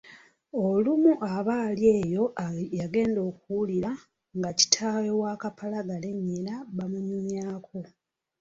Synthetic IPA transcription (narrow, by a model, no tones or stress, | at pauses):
olumuʔaβaːlje̞ːjo̞jaɡe̞ːndo̞ːkuwuliɾa | ŋɡaci̥tʰaːwewaːkapʰalaɡane̞ɲːilaβamuɲumjaːkʰo̞